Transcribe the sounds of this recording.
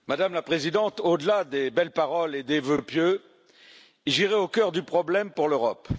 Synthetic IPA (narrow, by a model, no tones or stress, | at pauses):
mad̪amlapχezid̪ɑ̃t̪od̪əlad̪ebɛlpaʁɔled̪evøpjø | ilʒiʁɛokʲœʁd̪ypχɔblɛmpuʁløʁɔp